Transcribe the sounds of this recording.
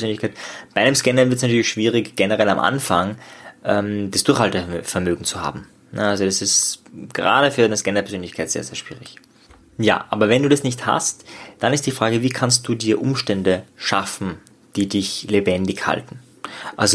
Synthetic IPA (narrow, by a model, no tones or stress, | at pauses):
zøːnlɪçkʰaɛɪtb̥aɪʔnəmskɛnɐvɪɐtsnatʰyɐlɪçʃv̥iːʁɪçɡ̥ɛnəʁɛla̰mʔa̰nfaŋʔɛmd̥asd̥ʊɐxhaltɐfɛɐmøːɡŋ̩t͡suha̰ːbm̩ | nəalzod̥asɪstɡ̥əʁa̰ːɾəfyːɐʔaɪnəskɛnɐpʰɛɐzøːnlɪçkʰaɪtz̥ḛːɐzeːɐʃv̥iːʁɪç | ja̰ːʔa̰ːbɐvɛnduːdasnɪçtha̰std̥anɪst̚d̥iːfʁ̥aːɡəviːkʰanst̚d̥uːdiːɐʔʊmʃtɛndəʃafn̩ | d̥iːdɪçlebɛndɪçha̰ltn̩ | ʔa̰lzo